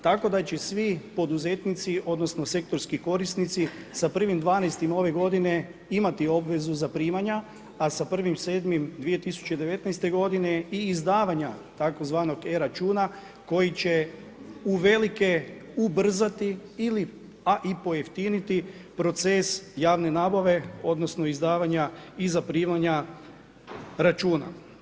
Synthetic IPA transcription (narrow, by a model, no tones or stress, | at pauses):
t̪ako̞d̪at͡ɕesʋipo̞d̪uze̞t̪nit̪siʔo̞d̪no̞snose̞k̚t̪o̞ɾskiko̞ɾisnit̪si | sapr̩ʋimd̪ʋaːnɛjst̪imao̞ʋe̞ɡo̞d̪ine̞ | imat̪io̞bʋe̞zuzapɾiːmaɲa | asapr̩ʋimse̞ːd̪mimd̪ʋije̞t̪isu̥t͡ɕed̪e̞ʋe̞t̪najst̪e̞ɡo̞d̪ine̞iːzd̪aːʋaɲat̪ako̞zʋaːno̞ɡeɾat͡ʃuːna | ko̞jit͡ɕe̞ | uʋe̞like̞ubr̩zat̪iili | aʔipo̞jeft̪init̪ipɾo̞t̪se̞sjaːʋne̞naːbaʋe̞o̞d̪no̞sno̞izd̪aːʋaɲaizapɾiːmaɲa | ɾat͡ʃuːna̰